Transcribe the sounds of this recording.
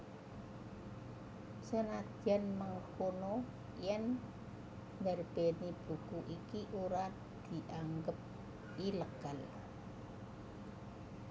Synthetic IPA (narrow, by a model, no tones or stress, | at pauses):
sənad̥ʒ̥a̤nməŋkono | jɛn | nərb̥enib̥ṳkuʔikiʔuɾa | d̪̥i̤ʔaŋɡəp̚ | iləɡ̥al